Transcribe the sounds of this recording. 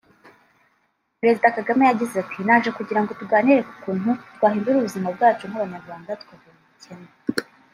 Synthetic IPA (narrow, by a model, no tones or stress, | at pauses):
pɾe̞zidakaɡame̞jaɟizeatʰinaʒe̞kuɟiɾaŋɡo̞tuɡaːniɾe̞ku̥kuːnutɡwaːɦiːmbuɾuβuzimab̚ɡaːt͡ʃum̥haβaɲaɾɡwaːndatkwave | icene